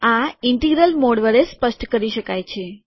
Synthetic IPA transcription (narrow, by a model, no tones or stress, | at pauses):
aɪɳʈeɡɾəlmoɽʋəɾespəʃʈkəɾiʃəkajt͡ʃʰe